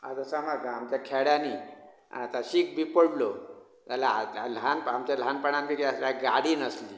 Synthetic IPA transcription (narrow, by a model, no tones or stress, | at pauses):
a̰d͡zəsamaɡamt͡ɕakʰɛɽjanḭː | t̪aɕiːkbipəɽlo | t̪alaalanpamt͡ɕal̤anpəɳãnpikaslaɡaɽiːnəsliː